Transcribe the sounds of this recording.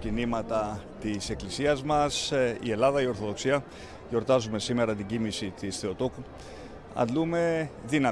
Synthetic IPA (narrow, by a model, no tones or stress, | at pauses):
cinimɐt̪ɐt̪ise̞klisiɐzmɐsḭe̞lɐðɐio̞ɾθo̞ðo̞ksiɐ | ʝo̞ɾt̪ɐzume̞sime̞ɾɐt̪iɟimisit̪isθe̞o̞t̪o̞ku | ɐ̰lume̞ðinɐ